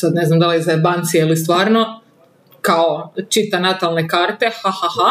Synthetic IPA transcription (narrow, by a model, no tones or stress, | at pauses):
sad̪neznamd̪alizabant̪sieilist̪ʋaːɾno | kaot͡ʃit̪anat̪alˠnekaːɾt̪e̞hahaha